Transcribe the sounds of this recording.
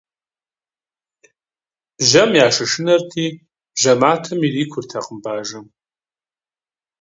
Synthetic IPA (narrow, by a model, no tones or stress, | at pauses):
ʒɐmjaːʂɐʂɨnɐrtʰiː | bʒɐmaːtʰɐmiriːkʷʰʊrtʰaqəmbaːʒɐm